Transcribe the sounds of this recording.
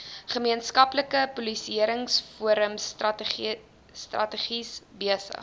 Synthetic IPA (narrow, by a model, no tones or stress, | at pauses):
χəmiənskɐpləkəpubisiəɾəŋsfuəɾəms | strɐ̰təχisbiəsə̰χ